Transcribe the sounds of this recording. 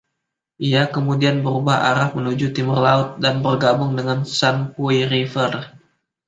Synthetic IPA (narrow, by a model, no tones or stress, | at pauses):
ʔiakəmudianbəɾubaha̰ɾahmənud͡ʒut̪imʊrlaʊt̪̚danbərɡabʊŋdəŋansanpuirifər